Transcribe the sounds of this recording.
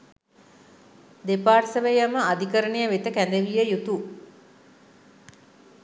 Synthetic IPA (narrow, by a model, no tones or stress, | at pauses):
d̪epaːrsəʋejaməad̪ikəɾənejəʋet̪əkænd̪əʋijəjut̪u